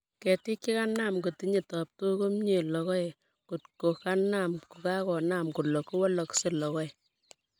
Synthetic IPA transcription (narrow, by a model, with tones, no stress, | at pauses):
kɛ˨tɪ˦kːi˦ka˦na˨mko˨ti˦ɲe˨tɔ˨p̚to˦ko˦mɲe˨lɔ˨kɔ˦je˨ | ko˨tko˨ka˦na˦˨mku˨ka˦kɔ˨na˦˨mku˨lɔ˨ku˦wɔ˦lɔ˨kse˦lɔ˨kɔ˦ɛ˨